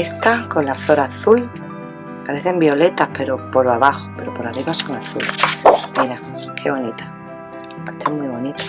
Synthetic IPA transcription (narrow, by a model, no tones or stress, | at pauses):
est̪akonlaflo̞ɾaθul | paɾe̞θe̞mbio̞le̞t̪ahpe̞ɾo̞po̞ɾoaβaxope̞ɾopoɾariβaso̞ŋaθulesmiɾa | kʰeβ̞o̞nit̪ḁ | at̪ʰemwiβo̞nit̪ḁ